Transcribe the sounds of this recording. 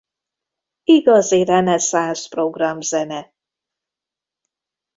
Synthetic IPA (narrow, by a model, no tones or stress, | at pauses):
iɡɒzirɛnɛsaːsproɡrɒmzɛnɛ